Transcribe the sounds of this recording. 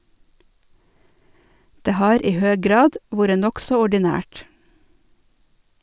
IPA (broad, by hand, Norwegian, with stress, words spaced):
ˈdeː ˈhɑːɾ ˈiː ˈhøː ˈɡɾɑːd ˈʋuːɾə ˈnɔksɔ ɔɖɪˈnæːʈ